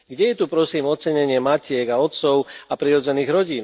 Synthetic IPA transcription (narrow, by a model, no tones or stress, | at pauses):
ɡɟɛjɛt̪upɾɔsiːmɔt̪t͡sɛɲɛɲɪɛmacɪɛɡaɔt̪t͡sɔʊapɾiɾɔd͡zɛniːɣɾɔɟiːn